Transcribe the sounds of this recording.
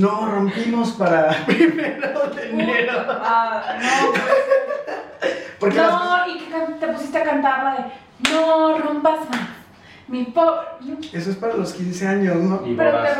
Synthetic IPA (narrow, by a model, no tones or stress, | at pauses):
noro̞mpimo̞spaɾapɾimeɾoðeneɾoano | poɾkenoikekant̪epusis̬t̪eakant̪aɾlaðe | norompasmas | miponesoespaɾaloskinse̞aɲosnopaɾaka